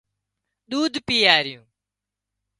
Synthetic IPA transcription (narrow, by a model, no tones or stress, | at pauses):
ɗ̪uːd̪ʱpiːaːɾjũː